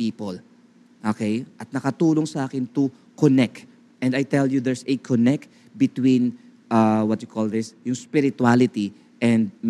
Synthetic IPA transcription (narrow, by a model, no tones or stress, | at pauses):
iːpol | ʔokejʔɐt̪̚nɐkɐt̪uːloŋsɐʔaːkɪnt̪ʊ | kɔnɛk̚t̪ | ʔɛ̃nd̪ɐjt̪ɛljud̪ɛɹsɛkʰonɛk̚t̪ | bɪt̪wĩn | ʔawɐt̪jʊkʰold̪ɪsjʊŋspɪɾɪt̪ualɪt̪i | ʔɛ̃nd̪̚m